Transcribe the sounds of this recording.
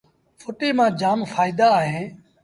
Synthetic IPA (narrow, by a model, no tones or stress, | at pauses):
fʰoːʈiːmãːd͡ʒaːmfaːiːd̪aːɦẽː